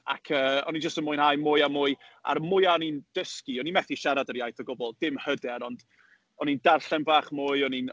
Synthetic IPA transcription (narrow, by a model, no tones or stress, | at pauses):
a̰kʰəːɔ̰nind͡ʒəstəmʊjnhaːjmʊɨamʊɨa̰ɾmʊɨaɔnind̥əskiɔnimɛθiʃaɾadəɾjajθəɡʊbɔlˠdɪmhədɛɾɔnd | ɔnindarɬɛnbaːχmʊɨɔnin